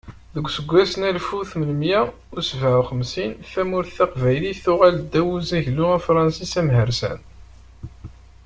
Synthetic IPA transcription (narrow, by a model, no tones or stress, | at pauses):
ðəɡʷːsəɡʷːæsənælfuθməlmjæ | usvəʕχəmsinθæmʊɾθæqvæjliθʊʁæld̪ːæwuzæʝlʊæfɾˤɑnsisæmɦəɾsæ̰n